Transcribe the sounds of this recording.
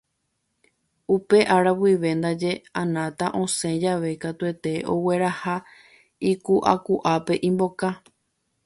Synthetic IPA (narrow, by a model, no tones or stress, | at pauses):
upe̞ʔaɾawiʋe̞nd̪ad͡ʒe̞ãnãt̪aʔõ̞sẽ̞d͡ʒaʋe̞kat̪ue̞t̪e̞ʔo̞we̞ɾaha | ikuʔa̰kuʔape̞ʔĩmbo̞ka